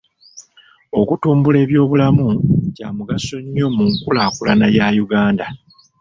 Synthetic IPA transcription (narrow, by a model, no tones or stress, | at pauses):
o̞kutuːmbule̞ːβjo̞ːβulamucaːmuɡaso̞ɲːo̞muŋkulaːkula̰najajuɡaːnda